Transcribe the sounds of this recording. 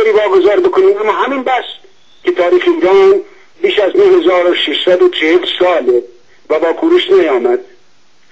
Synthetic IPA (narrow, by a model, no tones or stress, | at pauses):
oɾiːvɒːɡozɑːɾbekʰoniːmæmːɒːɦæmiːnbæs | kʲʰet̪ʰɒːɾiːxeiːɾɒːn | biːʃæznohezɒːɾoʃeʃsæd̪ot͡ʃʰehelsɒːle | væbɒːkʰuːɾeʃnæjɒːmæd̪